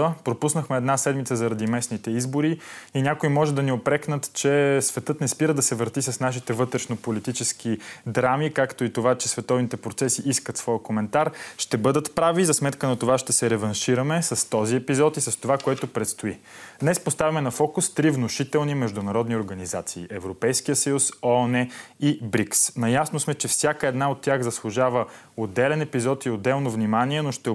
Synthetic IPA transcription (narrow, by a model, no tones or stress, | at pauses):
əpɾopusnəxmɛːd̪nasɛd̪mit̪səzɐɾɐd̪imɛsnit̪ɛizboɾiinʲakoimɔʒɛd̪ɐniopɾɛknət̪t͡ʃɛsvɛt̪ɤt̪nɛspiɾəd̪ɐsɛvəɾt̪isɐsnaʃ̬it̪ɛvɤt̪ɾɛʃnopolit̪it͡ʃɛsk̟id̪ɾamikakt̪oit̪ovat͡ʃɛsvɛt̪ɔvnit̪ɛpɾot̪sɛsiʔiskət̪svɔjəkomɛnt̪aɾʃt̪ɛbɤd̪ət̪pɾavizɐsmɛt̪kənɐt̪ovaʃt̪ɛsɛɾɛvɐnʃiɾəmɛsɐst̪ɔziɛpizɔt̪isɐst̪ovakoɛt̪opɾɛt̪st̪ʊid̪nɛspost̪avʲimɛnɐfɔkʊst̪ɾivnoʃit̪ɛlˠnimɛʒd̪ʊnɐɾɔd̪nioɾɡɐnizat̪siːʔɛvɾopɛjskijəsəjusɔnɛibɾiksnɐjasnosmɛt͡ʃɛfsʲjakəɛd̪naot̪ʲːjaɣzɐslˠʊʒavə | od̪ɛlɛnɛpizɔt̪iod̪ːɛlˠnovnimaniɛnoʃt̪ɛ